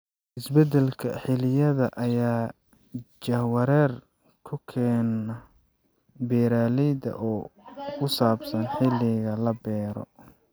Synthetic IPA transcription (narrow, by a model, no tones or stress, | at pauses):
ʔɪsbɛd̪ɛlkʰɐ̰ħɪlɪjɐðɐʔɐjaː | d͡ʒɐhwɐɾɛːr | kʰʊkʰɛːnɐ | bɛːɾaːlɛjd̪ɐ̰ʔɔːkʰʊsaːbsɐnħɪlɪɣɐlɐbɛːɾɔ̰